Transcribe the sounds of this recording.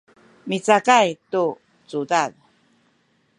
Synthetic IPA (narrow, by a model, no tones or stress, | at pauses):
mit͡sakajtu | t͡sudað